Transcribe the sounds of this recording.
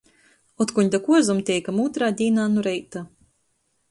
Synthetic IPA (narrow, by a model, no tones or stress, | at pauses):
ɔt̪kuɲd̪akuɔzumt̪ʲɛjkamuːt̪ɾaːd̪ʲiːnaːnuɾɛjt̪a